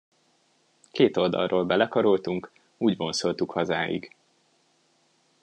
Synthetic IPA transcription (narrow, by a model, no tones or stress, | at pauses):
keːt̪o̞ld̪ɒ̰lroːlbɛlɛkɒɾolt̪uŋk | uːɟbo̞nso̞lt̪ukhɒzaːjḭɡ